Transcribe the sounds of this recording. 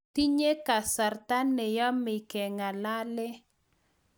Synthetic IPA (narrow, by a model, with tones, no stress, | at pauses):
ti˦ɲe˦ka˨sa˨ɾta˦ne˨jɔ˦mɪ˨kɛ˨ŋa˨la˦lɛ˦